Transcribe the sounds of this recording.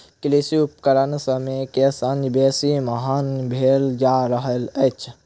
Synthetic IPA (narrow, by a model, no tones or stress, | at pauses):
klisiup̚kəɾənsəmekesanbeːsimɐɦaːnbʱeːld͡ʒaːɾəɦələt͡ʃʰ